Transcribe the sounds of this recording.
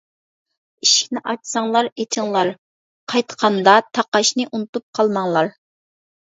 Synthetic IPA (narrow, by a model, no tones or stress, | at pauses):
iʃkʲnɪʔɑt͡ʃsɑŋlˠɑɾet̪ʰɪŋlˠɑɾ | qʰɑjt̪qʰɑnd̪ɑt̪ʰɑqɑʃnɨʔunɨt̪up̚qʰɑlˠmɑŋlˠɑɾ